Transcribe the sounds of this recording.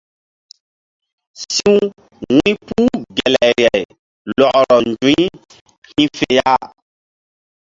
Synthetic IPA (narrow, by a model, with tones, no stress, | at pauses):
sĩ˦ũ˦ | wĩ˦puː˦ɡɛ˨lɛ˨ɾjɛ˨j | lɔ˨ʔɾɔ˨n˨d͡ʒũ˨˦ | hĩ˦fe˨ja˦